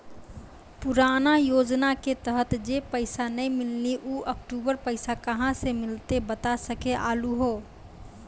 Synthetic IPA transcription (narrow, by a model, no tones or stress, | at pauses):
pʊɾaːnajoːd͡ʒnaket̪əɦət̪d͡ʒepəɪsanə̃ĩmɪlːiʔuːʔək̚ʈuːbəɾpəɪsakəɦãsemɪlt̪ebət̪asəkeʔa̰ːluɦoː